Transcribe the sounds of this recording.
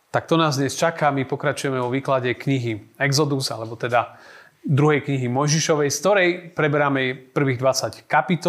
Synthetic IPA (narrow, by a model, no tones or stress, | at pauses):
t̪ak̚t̪ɔnaːzd̪ɲɛst͡ʃakamipɔkɾat͡ʃujɛmɛʋɔʋiːklaɟɛkɲiɦiɛɡzɔd̪uza̰lɛbɔt̪ɛd̪a | d̪ɾuɦɛjkɲiɦimɔjʒiʃɔʋɛjskt̪ɔɾɛjpɾɛbɛɾamɛɛpr̩ʋiːɣd̪ʋat͡sackapit̪ɔ